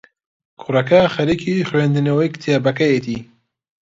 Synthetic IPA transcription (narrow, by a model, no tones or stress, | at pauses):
kʰʊrɐkɐxɐɾikʰixwend̪ɨnɐwɐjkt̪ʰjabɐkɐjet̪ʰi